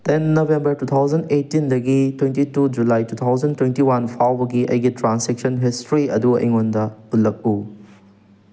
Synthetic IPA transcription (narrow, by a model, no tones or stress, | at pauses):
tenːobʱembɐɾtut̪ʰawd͡ʒɐndetːindɐɡitwentitud͡ʒulajtut̪ʰawd͡ʒɐntwentiwanpʰawbɐɡiʔɐjɡitɾansek̚sɐnɦistɾiɐduɐ̰jŋondɐulːɐk̚u